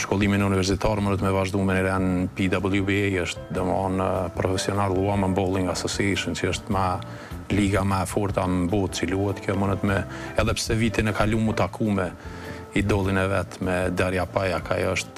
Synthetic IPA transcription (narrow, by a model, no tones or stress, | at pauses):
ʃkɔlˠiminəunivɛɾs̬it̪aɾmənət̪mɛvaʒd̪uminiɾɛnpid̪abəlˠjubɛjəʃt̪d̪ɔmanəpɾɔfɛsiɔnaluaməmbɔlˠiŋɡasɔsɛʃənt͡ʃiəʃt̪ma | liɡamafɔɾt̪ambɔt̪t͡siluhɛt̪kʰjɔmənət̪mɛɛðɛpsɛvit̪inəkalumut̪akʰumɛ | id̪ɔlˠinɛvɛt̪mɛd̪aɾjapajakʰajəʃt̪̚